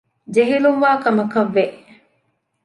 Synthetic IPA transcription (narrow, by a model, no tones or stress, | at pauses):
d͡ʒeɦiluŋʋaːkɐmɐkɐʋːeʔ